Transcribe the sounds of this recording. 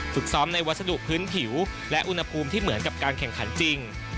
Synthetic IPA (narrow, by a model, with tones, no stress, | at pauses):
fɯ˨˩k̚sɔː˦˥mna˧jwa˥t̪̚sa˧du˨˩ʔ̚pʰːɯː˦˥npʰi˩˦w | lɛ˦˥ʔu˧nha˧pʰuː˧mt̪ʰiː˥˩mɯ˩˦ənka˨˩p̚kaː˧nkʰɛ˨˩ŋkʰa˩˦nt͡ɕi˧ŋ